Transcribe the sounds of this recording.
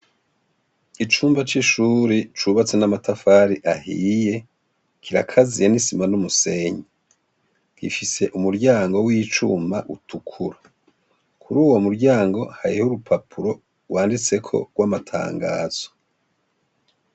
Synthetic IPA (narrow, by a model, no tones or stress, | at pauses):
it͡ʃuːmbat͡ʃiʃuːɾit͡ʃuβat͡senamatafaɾiʔahije̞ | kʰiɾakʰazijanisimanumuse̞ɲe | kḭfise̞ʔumuɾɟaːŋɡo̞wiːt͡ʃṵːmaʔutʰukʰuɾa | kʰuɾuːwo̞muɾɟaːŋɡo̞haɾihuɾupʰapʰuɾo̞ | waːndit͡se̞kʰo̞̰ɡwamatʰa̰ːŋɡa̰ːz̥o̥